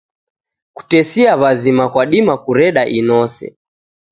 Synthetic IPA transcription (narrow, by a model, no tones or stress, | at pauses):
ku̥tɛsiaβazimakwaɗimakuɾɛɗaʔinɔsɛ̰